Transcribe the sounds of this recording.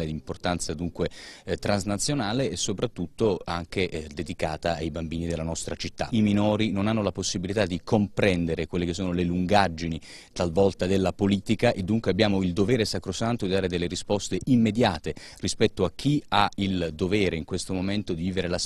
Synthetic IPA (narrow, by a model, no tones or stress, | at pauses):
led̪import̪ant̪sad̪uŋkwet̪ɾanznat̪sːjonaːleːsːopɾat̪ːut̪ːoaŋk̟eʔd̪ed̪ikaːt̪aːjbambiːnid̪elːanɔst̪ɾat͡ʃit̪ːa̰iminoːɾinonanːolaposːibilit̪ad̪ikompɾɛnd̪eɾekwelːekesːoːnoleluŋɡad͡ʒːini | t̪alvɔlt̪ad̪elːapoliːt̪ikaʔed̪ːuŋkweabːjaːmoild̪ovɛːɾesakɾosant̪od̪id̪aːɾed̪elːeɾispɔst̪eʔimːed̪jaːt̪e | rispɛt̪ːoak̟ːiaild̪ovɛːɾeiŋkwest̪omoment̪od̪iviːveɾelas